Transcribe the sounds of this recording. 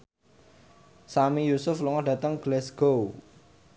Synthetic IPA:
samijusʊfluŋɔhɖ̥a̤t̪əŋɡ̥lɛsɡ̥ow

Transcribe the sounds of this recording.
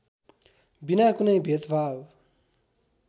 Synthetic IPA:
binakunʌjbʱet̪bʱab

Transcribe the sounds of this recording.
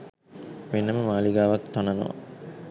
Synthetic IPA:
menːəməmaːliɡaːʋat̪ːanɐno̰ː

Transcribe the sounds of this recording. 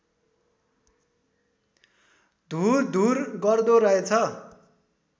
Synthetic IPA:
d̪ʱurd̪ʱurɡʌrd̪oɾʌet͡sʰʌ

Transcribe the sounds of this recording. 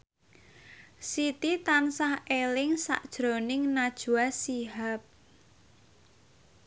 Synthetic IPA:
sit̪it̪ansahelɪŋsa̰ʔd̥ʒ̥ɾonɪŋnad̥ʒ̥ṳasiɦap̚

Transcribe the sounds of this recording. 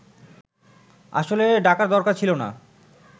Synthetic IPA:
a̰ʃoleɖakaɾd̪ɔɾkaɾt͡ɕʰilona̰

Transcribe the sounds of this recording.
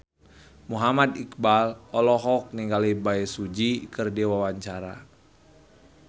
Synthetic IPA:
muɦamad̪ikbalɔlɔɦɔk̚niŋɡalibaɛsud͡ʒikɨrdiwawaɲt͡ʃaɾa̰

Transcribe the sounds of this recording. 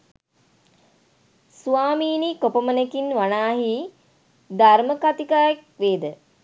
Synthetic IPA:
suʋaːmiːnikopəmənekinʋanaːɦi | d̪aɾməkat̪ikaːjek̚ʋeːd̪ə

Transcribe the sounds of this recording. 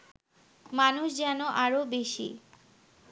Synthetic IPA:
manuʃd͡ʑɛnoʔaɾobeʃḭ

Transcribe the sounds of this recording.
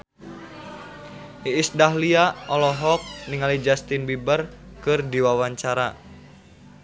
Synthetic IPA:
ʔiːsdahliaʔɔlɔɦɔk̚niŋalid͡ʒast̪inbibərkɨrdiwawaɲt͡ʃaɾa

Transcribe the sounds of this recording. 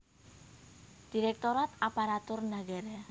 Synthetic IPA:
d̪̥iɾɛk̚t̪oɾat̪apaɾat̪ʊrnaɡaɾa

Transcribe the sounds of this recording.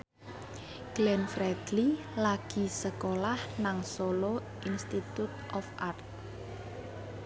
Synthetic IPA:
ɡ̥lɛnfɾɛd̪̥li | laɡ̥isəkolahnaŋsolo | ʔinst̪it̪ut̪̚ʔɔfart̪̚

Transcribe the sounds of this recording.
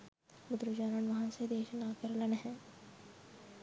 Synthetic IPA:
mʊd̪ɾud͡ʒaːnənʋɐɦãsed̪eːʃnaːkəɾlənɦɛ̃ː

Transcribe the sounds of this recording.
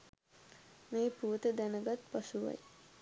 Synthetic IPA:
meːpuət̪əd̪ænəɡat̪pasuʋa̰j

